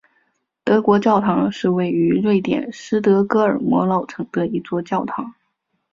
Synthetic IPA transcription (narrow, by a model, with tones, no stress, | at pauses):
t̪ɤ˧˥kwɔ˧˥t͡ɕjɑ˥˩ʊt̪ʰɑ˧˥ŋʂɻ̩˥˧we˥˩ɪy˧˥ɻwe˥˩ɪt̪jɛ̰˨˩nʂɻ̩˥t̪ɤ˧˥kɤ˥ə˞˨˩mwɔ̰˧˥lɑ˥˩ʊʈ͡ʂʰɤ˧˥ŋd̪ə˧i˧˥t͡swɔ˥˧t͡ɕjɑ˥˩ʊt̪ʰɑ˧˥ŋ